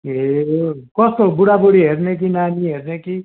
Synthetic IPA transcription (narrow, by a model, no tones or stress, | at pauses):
ɦekʌst̪obuɽaboɽiɦernek̬inaniɦerneki